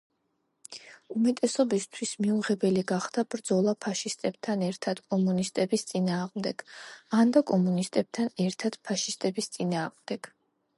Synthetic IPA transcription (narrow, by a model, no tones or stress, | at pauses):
umɛt̪ʼɛsɔbist̪ʰwismiuʁɛbɛliɡaχd̪̥ab̥ɾd̪zɔlˠapʰaʃist̪ʼɛb̥̚t̪ʰanɛɾt̪ʰad̪̥kʼɔmunist̪ʼɛbist̪sʼinaːʁmd̪ɛɡ̥and̪akʼɔmunist̪ʼɛb̥̚t̪ʰanɛɾt̪ʰad̪̥pʰaʃist̪ʼɛbist̪sʼinaːʁmd̪̥ɛɡ̥